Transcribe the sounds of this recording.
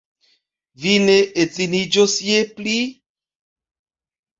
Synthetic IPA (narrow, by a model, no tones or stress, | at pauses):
vineet͡sinid͡ʒosjepli